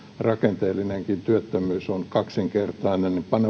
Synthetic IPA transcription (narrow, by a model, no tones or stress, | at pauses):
rɑkent̪eːlːineŋkint̪yøt̪ːømyːsonkɑksiŋkert̪ɑinennipɑne